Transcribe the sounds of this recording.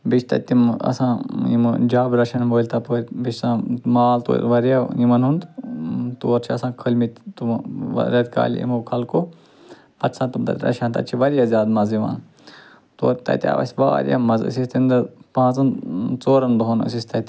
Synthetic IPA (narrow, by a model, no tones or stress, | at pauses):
bit͡ʃʰt̪ɐ̰t̪imɐ̰sãːḭmd͡ʒaːbɾɐʃʰɐnboːlʲt̪ɐpoːɾʲbit͡ʃsãːmaːlt̪o̰ːɾʋɐɾjajimɐnɦund̪t̪oːɾt͡ʃʰiɐsãːkʰəlʲmit̪t̪umɾʲɐd̪ka̰ːl̰ʲḭmukʰɐlkoː | pɐt̪sãt̪umt̪ɐ̰tʲɾɐ̰ʃãnt̪ɐ̰t͡ʃʰiʋɐɾjaːzʲjaːd̪mɐziʋã̰ːn | t̪o̰ːɾt̪ɐ̰t̪ʲa̰ːʋɐ̰sʲʋa̰ːɾʲja̰mɐzɨ̰sist̪ind̪ɐpãːt͡sɐnt͡soːɾɐnɖ̪oɦonɨ̰sist̪ɐt̪ʲ